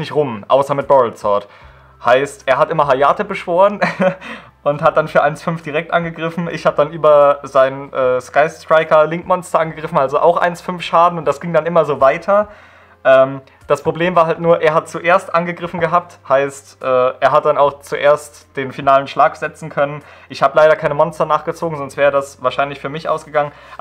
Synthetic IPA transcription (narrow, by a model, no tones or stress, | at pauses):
nɪçtʁʊmʔa̰ʊsɐmɪt̚b̥ɔʁɪlt͡sɔɐt | haɪstʔeːɐɦatʔɪmɐɦajaːtəbəʃv̥oːʁən | ʔʊnthat̚d̥anfyːɐʔaɪnsfʏnfd̥iʁɛk̚tʔanɡəɡʁɪfn̩ʔɪ̰çhaːbəd̥anʔyːbɐzaɪnənʔɛːskaɪstʁ̥aɪkɐlɪŋkmɔnstɐʔanɡəɡʁɪfn̩ʔalzoʔa̰ʊxʔa̰ɪnsfʏnfʃaːdn̩ʊnt̚d̥asɡ̥ɪŋdanʔɪmɐzoːvaɪtʰɐ | ʔɛːm | d̥aspʁ̥obleːmvaːɐɦaltnuːɐʔeːɐɦat̚t͡suʔeːɐstʔanɡəɡʁɪfn̩ɡəɦaːp̚thaɪstʔɛːʔeːɐɦat̚d̥anaʊxt͡suʔeːɐst | d̥eːnfinaːlənʃlaːkz̥ɛt͡sn̩kʰœnən | ʔɪçhaːbəlaɪɾɐkʰaɪnəmɔnstɐnaːχɡ̥ət͡soːɡŋ̩zɔnstvɛːʁədasvaːɐʃaɪnlɪçfyːɐmɪçʔa̰ʊsɡ̥əɡaŋən